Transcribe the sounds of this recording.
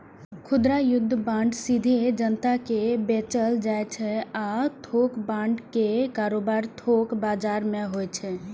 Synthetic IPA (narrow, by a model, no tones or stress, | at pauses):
kʰʊd̪ɾajʊd̪ʱːəbãɳɖsid̪ʱed͡ʒənt̪akebet͡ʃəld͡ʒajt͡ʃʰɛat̪ʰokbãɳɖkekaɾobaɾt̪ʰokbad͡ʒaɾmeɦojt͡ʃʰɛ